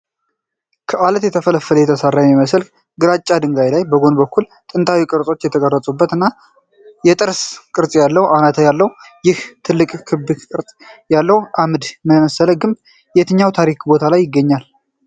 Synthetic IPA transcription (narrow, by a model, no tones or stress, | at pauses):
kʰəʔalət̪jɛt̪ʰəfələfələjɛt̪ʰəsarːajmiməsəlk | ɡɨɾat͡ʃʼːad̪ɨŋɡajlajbəɡo̞nbəkʰːul | t̪ʼɨnt̪ʰawikʼɨɾt͡sʼo̞t͡ʃːjɛt̪ʰəɡʼərːət͡sʼubːət̪ɨnːa | jɛt̪ʼɨɾskʼɨɾt͡sʼjalːəwʔanat̪ʰəjalːəw | jɪht̪ʰɨlːɨkʼkʰɨbɨkkʼɨɾt͡sʼjalːəhwʔamɨd̪məməsələɡɨmb | jɛt̪ʰɨɲːawt̪ʰaɾikbo̞t̪ʰalajːɪɡːəɲːal